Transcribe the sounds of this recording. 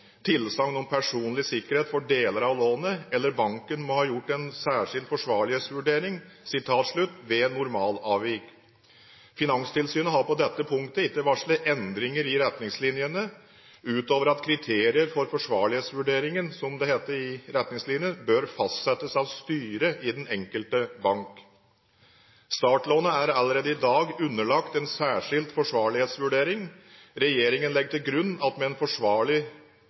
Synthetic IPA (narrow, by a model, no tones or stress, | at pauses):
t̪ʰɪlsɑŋnɔmpʰæʂuːnlɪsɪkːəɾheːt̪fɔɖeːləɾɑʋloːnəɛlːəɾbɑŋkənmɔhɑːjʊʈːɛnsæːʂɪld̪fɔʂʋɑːɭɪheːt̪sʋʉɖeːɾɪŋ | sɪt̪ʰɑːt̪ʂɭʉt̪ːʋɛnːʊɾmɑːlɑːʋɪk | fɪnɑŋst̪ʰɪlsyːnəɦɑɾpɔd̪ɛt̪ːəpʰʊŋkt̪əɪt̪ːəʋɑʂlɪʔɛnd̪ɾɪŋəɾɪɾɛt̪nɪŋslɪnjənə | ʉːt̪oːʋəɾɑt̪kʰɾɪt̪ʰeːɾɪəɾfɔɾfɔʂʋɑ̰ːɭɪheːt̪sʋʉɖeːɾɪŋənsɔmd̪ɛheːt̪əɾɪɾɛt̪nɪŋslɪnjənbøːɾfɑst̪sɛt̪ːəsɑʋst̪yːɾəʔɪd̪ɛnɛŋkəlt̪əbɑŋk | st̪ɑːʈloːnəæɾɑləɾeːd̪əɪd̪ɑːɡʉnːəɭɑkt̪ɛnsæːʂɪlt̪fɔʂʋɑːɭɪheːt̪sʋʉɖeːɾɪŋɾɛjeːɾɪŋənlɛɡːət̪ɪlɡɾʉnːɑt̪mɛɛnfɔʂʋɑːɭɪ